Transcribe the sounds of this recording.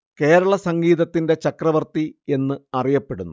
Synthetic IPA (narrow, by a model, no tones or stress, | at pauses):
ke̞ːɾɐɭɐsɐŋɡiːðɐt̪ːinde̞t͡ɕɐkrɐʋɐrt̪ie̞nːɨɐrijɐpːe̞ɽunːu